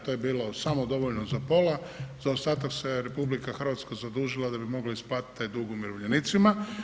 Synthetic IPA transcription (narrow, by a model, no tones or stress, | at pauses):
t̪ojebiːlo̞samod̪o̞ʋoʎnozapo̞la | zaost̪aːt̪akse̞ɾe̞publikaxr̩ʋat̪skazad̪uːʒilˠad̪abimo̞ɡlaisplˠaːt̪i̥t̪ːajd̪uɡumiɾoʋʎenit̪sima